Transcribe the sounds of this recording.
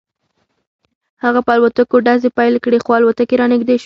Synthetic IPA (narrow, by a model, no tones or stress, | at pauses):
haɣapəalwat̪akoɖazepajlkɽexoalwat̪akeɾɑnɪɡd̪eʃ